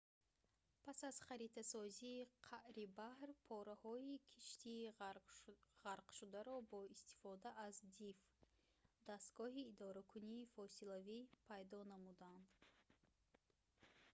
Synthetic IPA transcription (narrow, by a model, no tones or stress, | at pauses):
pʰasaz̥χaɾit̪ʰasɔziːqʰaʔɾibahɾpʰɔɾahɔikʰiʃt̪ʰiː | ʁaɾqʃud̪aɾɔbɔist̪ʰi̥fɔd̪aʔazd̪if | d̪ast̪ɡ̥ɔɦiːd̪ɔɾakʰuniːfɔsilavipʰajd̪ɔnamud̪and̪